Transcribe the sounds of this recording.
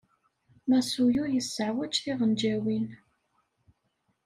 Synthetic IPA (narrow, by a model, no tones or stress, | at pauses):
mæsujʊɾjəsːəʕwæt͡ʃθiʁənd͡ʒæwin